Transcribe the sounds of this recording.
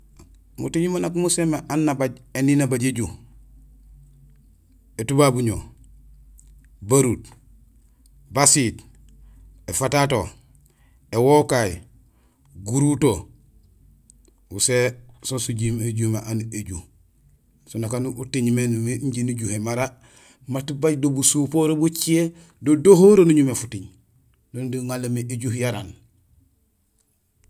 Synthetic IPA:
mṵtiɲimanakumusemeʔanːabaɟeninabaɟeɟu | etubabuɲo | baɾut | basit | efatato | ewokai | ɡuɾuto | usesonsuɟimeɟumeʔaneɟuh | sunakanutiɲmenmeɲɟinuɟuhemaɾa | matibaɟdobusupoɾobut͡ʃie | dodohoɾonuɲumefutiɲ | dondiŋalemeeɟuhjaɾan

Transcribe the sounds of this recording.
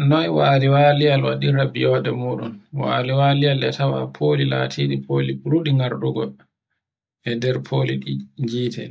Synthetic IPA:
nɔjwaːɾiwaːlijalwaɗiɾabijɔdɛmuːɗṵnwa̰ːɾiwaːlijalɛtawa̰pʰoːlila̰tʰiɗipʰoːlibuɾuɗiŋɡaɾɗuɡɔ | ɛndɛɾpʰoːliɗid͡ʒiːtʰɛ̰

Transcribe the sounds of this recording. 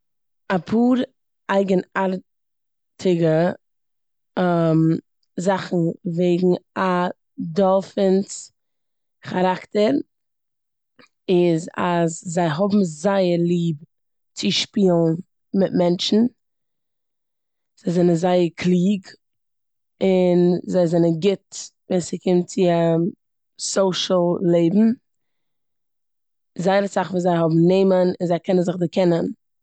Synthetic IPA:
apʰuːɾ | ʔaɪɡənaɾ | tʰɪɡə | m | zaχn̩veɪɡŋ̩a | dɔlˠfəns | χaɾaktəɾ | ɪza̰zzaɪɦɔbm̩zaɪəɾlˠiːb | t͡sɪʃpiːlˠn | mɪtmɛnt͡ʃn̩ | z̥aɪzɛnənzaɪəɾkʰlˠiːɡ | ɪnzaɪzɛnənɡɪtviːsɪkʰɪmt͡sɪa | soʊʃl̩ˠleɪbm̩ | zaɪəɾəsaχviːzaɪɦɔbm̩neɪmənɪnzaɪkʰɛnənzɪχdɪkʰɛnən

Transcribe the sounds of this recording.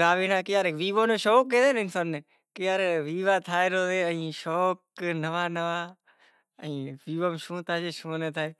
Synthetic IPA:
ɡaːʋiːnãːkɪjaːɾeʋiːʋoːnõːʃoːkːeːd̪eːnɪnsaːnːeː | kɪjaːɾʋiːʋaːt̪ʰaːeːɾoːdeːəĩːʃoːknəʋaːnəʋaː | əĩːʋiːʋoːmʃũːt̪ʰaːd͡ʒeːʃuːneːt̪ʰaːeː

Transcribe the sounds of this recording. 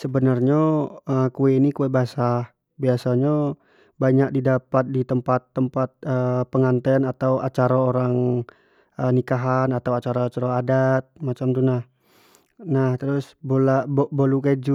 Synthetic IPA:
səbənarɲaəkuɛinikuɛbasa | biasaɲa | baɲak̚didapat̪̚dit̪əmpat̪ːəmpat̪̚əpəŋant̪ɛnat̪awa̰t͡ʃaɾaoɾaŋ | ənikaɦanat̪awat͡ʃaɾat͡ʃaɾaadat̪̚mat͡ʃamt̪unah | naht̪əɾʊsbolabobolukajd͡ʒu

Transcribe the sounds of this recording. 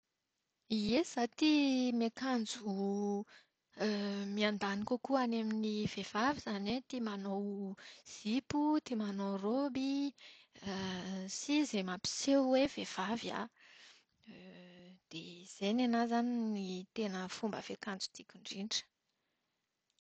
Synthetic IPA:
iesat̪imekand͡zu | miand̪anikokuanaminivev̥avizanet̪imanowz̥iput̪imanowrobi | sizemapi̥sewwev̥ev̥avja̰ | d̪̥ez̥enanazaninit̪enəfumbə̰v̥ekand͡zu̥t̪ikʲuɳɖ͡ʐiɳɖ͡ʐə̥

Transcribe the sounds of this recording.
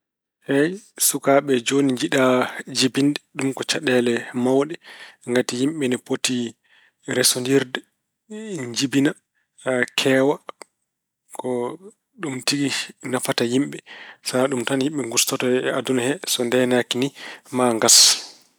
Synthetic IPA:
hɛjsukaɓɛd͡ʒoniɲd͡ʒiɗad͡ʒibindɛɗumkɔt͡ʃaɗɛlɛmawɗɛŋɡatijimɓɛnɛpoti | ɾɛsondiɾdɛ | ɲd͡ʒibina | kʰɛːwa | kɔ | ɗumtiɡinafatajimɓɛsaɗumtanhimɓɛŋɡustɔtɔɛadunhɛsɔndɛnakinimaŋɡas

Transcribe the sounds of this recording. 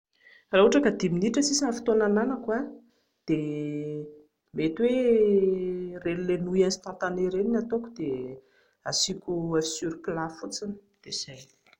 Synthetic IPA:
raɦuʈ͡ʂakəd̪iminiʈ͡ʂəsisanfi̥t̪onananakua | d̪̥e | met̪we | rellenujansi̥t̪ãnt̪aneɾeninat̪okud̪̥e | asikʲuafi̥syɾikilafut͡sinə̥ | d̪̥ez̥aj

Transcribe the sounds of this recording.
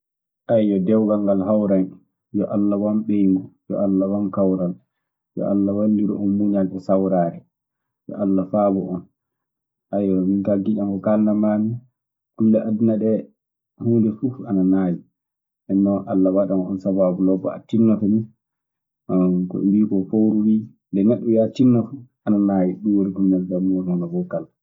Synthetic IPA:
ʔajjɔdɛwɡalŋɡalɦawɾan | jɔʔalːawɔmɓejŋɡɔjɔ̰ʔalːawankawɾal | jɔ̰ʔalːawandiɾɔ̰ɔnmuɲalɓɛsawɾaːɾɛ | jɔ̰ʔalːafaːbɔʔɔn | ʔajɔminkaɡiʔamkɔkalːamaːni | kulːaʔadunaɗɛ | huːndɛfuananaːji | ɛnːɔʔalːawaɗamɔnsabaːbulɔbɔ̰a̰tːinːɔtɔni | kɔ̰wiːkɔfowɾuwi | ndɛnɛɗːɔwiatːinːɔfu | ananajiɗuwoɾikumnɛldamuɾnabɔkal

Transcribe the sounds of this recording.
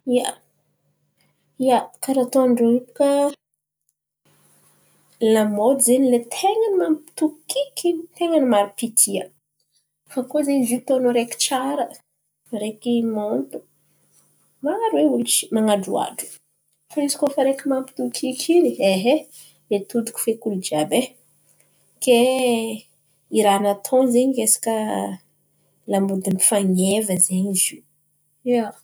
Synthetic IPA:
ia | ijakaɾat̪oɳɖ͡ʐoipu̥ka | lamod̪zenilet̪ʰeŋanimampi̥t̪ukikit̪eŋanimaɾipit̪ʰiə | fakozenzit̪onoɾekʲi̥t͡ʃaɾə | ɾekimont̪u̥ | maaɾweult͡ʃi̥maŋaɖ͡ʐua̰ɖ͡ʐu̥ | faizi̥kʲofaɾekimampi̥t̪ukʰikʰilieɦe | let̪ud̪u̥kʲu̥fekulud͡ʒabe | ke | iɾanat̪ʰõzeɲikesi̥kə | lambud̪imbi̥faŋevəzeɲizi | ea

